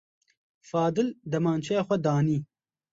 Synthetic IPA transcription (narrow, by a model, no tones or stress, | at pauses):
faːd̪ɪld̪ɐmaːnt͡ʃʰaxʷwɐd̪aːniː